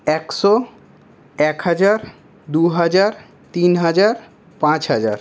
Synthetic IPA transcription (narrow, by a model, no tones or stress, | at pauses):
ɛkʃɔ | ɛkɦad͡ʑaɾ | d̪uɦad͡ʑaɾ | t̪inɦad͡ʑaɾ | pãt͡ɕɦad͡ʑaɾ